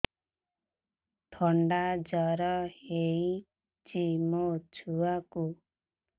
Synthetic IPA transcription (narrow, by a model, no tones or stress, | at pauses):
t̪ʰɔɳɖad͡ʒɔɾɔhej | t͡ʃimot͡ʃʰuaku